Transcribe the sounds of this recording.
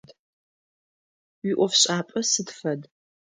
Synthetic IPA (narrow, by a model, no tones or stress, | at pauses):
d | wiʔʷɔfɕʼaːpʼɐsɨdfɐd